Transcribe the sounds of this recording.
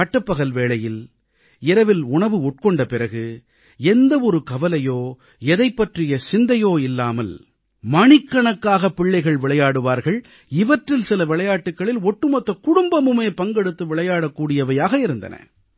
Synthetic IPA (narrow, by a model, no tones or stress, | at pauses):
ɐʈːɐpːɐɣɐlʋeːɭɐjɪl | ɪɾɐʋɪlʊɳɐʋɯɔʈ̚kɔɳɖɐpɪɾɐɣɯ | ɛnd̪ɐɔɾɯkɐʋɐlɐjoː | ɛðɐɪpːɐʈrɪjɐsɪnd̪ɐjoːɪlːaːmɐl | mɐɳɪkːɐɳɐkːaːɣɐpːɪɭːɐɪɣɐɭʋɪɭɐjaːɽɯʋaːɾɣɐɭ | ɪʋɐʈrɪlsɪlɐʋɪɭɐjaːʈːɯkːɐɭɪlɔʈːɯmɐt̪ːɐkʊɽʊmbɐmɯmeːpɐŋɡɛɽɯt̪ːɯʋɪɭɐjaːɽɐkːuːɽɪjɐʋɐjaːɣɐɪɾɯnd̪ɐ̰nɐ̰